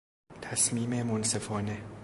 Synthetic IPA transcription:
t̪ʰæsmiːmemonsefɒːne

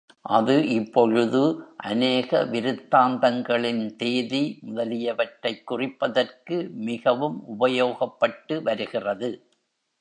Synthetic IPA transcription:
ʔɐðɯʔɪpːɔɻɯðɯʔɐneːɣɐʋɪɾɯt̪ːaːnd̪ɐŋɡɐɭɪnt̪eːðimʊðɐlɪjɐʋɐʈrɐɪkːʊrɪpːɐðɐrkɯmɪɣɐʋɯmʔʊbɐjoːɣɐpːɐʈːɯʋɐɾɯɣɪrɐðɯ

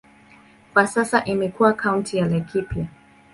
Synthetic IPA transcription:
kwasasaʔimɛkuwakʰaũntʰijalɛkipʰja

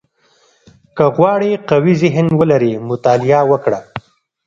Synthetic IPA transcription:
kəɣwɑɽeqawizɪɦɪnwəlaɾemʊt̪ɑlɪjawəkɽa

